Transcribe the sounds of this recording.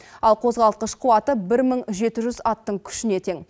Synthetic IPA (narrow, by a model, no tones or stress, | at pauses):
ɑlˠqʰo̞zʁɑlˠt̪̚qəʃqʰuwɑt̪əbɪɾməɴʒe̞t̪ɪʒʏzɑt̪ːəɴkʲʰʏ̥ʃɪne̞t̪ʰe̞ŋ